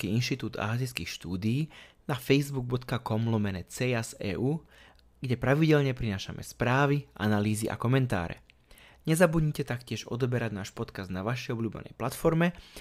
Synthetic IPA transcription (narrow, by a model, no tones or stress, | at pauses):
kiːinʃt̪it̪uːd̪a̰ɦaziskiːxʃt̪uːd̪iiːnafɛjzbuɡ̚bɔt̪kakɔmlɔmɛnɛt͡sɛjasɛ̰ːʔuː | ɡɟɛpɾaʋiɟɛʎɲɛpɾinaːʃa̰mɛ̰spɾaːʋiʔa̰naliːziʔa̰kɔmɛnt̪a̰ːɾɛ̰ | ɲɛzabud̪ɲcɛt̪akcɪɛʒɔ̰d̪ɔbɛɾaɟnaːʃpɔt̪kazd̪naʋaʃɛjɔbʎuːbɛ̰nɛ̰jplat̪fɔɾmɛ